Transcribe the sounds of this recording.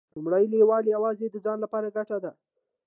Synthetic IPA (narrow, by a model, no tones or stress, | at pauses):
lumɽajlewɑleawɑzed̪əd͡zɑnlapɑɾaɡaʈad̪a